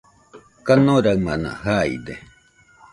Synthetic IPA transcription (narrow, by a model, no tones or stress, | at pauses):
kanoɾawmana̰haḭd̪e